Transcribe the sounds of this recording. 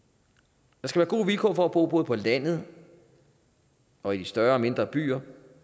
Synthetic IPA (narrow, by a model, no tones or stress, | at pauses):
d̥ɑ̈sɡ̥æʋæːɐɡ̥o̝̰ːʋilkʰɔːfɒ̽æb̥o̝̰ːb̥ɔ̽ːð̞̩ˠpʰɒ̽læn̰ð̩ˠ | ɒ̽id̥isd̥ɶɐɒ̽me̝nd̥ʁɐb̥y̰ːɐ